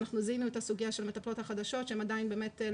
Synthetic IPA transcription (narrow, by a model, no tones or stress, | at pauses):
naχnuzinuetasuɡijaʃe̞lmet̪aplo̞t̪haχad̪aʃo̞tʃehemadainbe̞ːme̞te